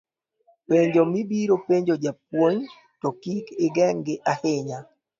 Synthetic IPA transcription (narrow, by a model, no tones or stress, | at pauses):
peɲd͡ʒomibiɾopeɲd͡ʒod͡ʒap̚woɲ | tɔkikɪɡɛŋɡɪʔahɪɲa